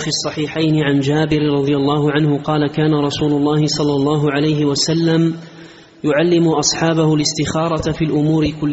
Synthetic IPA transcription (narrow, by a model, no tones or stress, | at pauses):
fiɑsˤːɑħiːħajnɪʕand͡ʒaːbɪɾɾˤɑd̪ˤɨjalˤːɑːhʊʕanhʊqɑːlakaːnaɾˤɑsuːlʊlˤːɑːhɪsˤɑlːɑlˤːɑːɦʊʕalajɦɪwasalːam | jʊʕalːɪmʊʔɑsˤħɑːbahʊlɪst̪ɪxɑːɾˤɑt̪fiːlʔʊmuːɾɪkʊlː